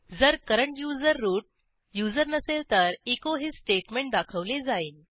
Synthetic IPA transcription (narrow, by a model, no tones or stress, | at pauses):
d͡zəɾkəɾəɳʈjud͡zəɾːuːʈ̚ | jud͡zəɾnəselt̪əɾikoɦiːsʈeʈmẽɳʈ̚d̪akʰəʋled͡zaiːn